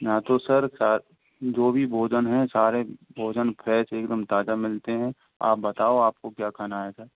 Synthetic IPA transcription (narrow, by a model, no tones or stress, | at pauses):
jaːt̪osəɾsaːɾ | d͡ʒoːbʱibʱoːd͡ʒənɦɛ̃saːɾebʱoːd͡ʒənpʰɾɛːseːkd̪əmt̪aːd͡ʒamɪlt̪eɦɛ̃ | a̰ːp̚bɐt̪aːoaːp̚kokjaːkʰanaːɦesaɾ